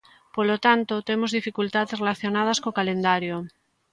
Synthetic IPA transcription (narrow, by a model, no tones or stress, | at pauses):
polot̪ant̪ot̪emozðifikult̪aðesrelaθjonað̞askokalend̪aɾjo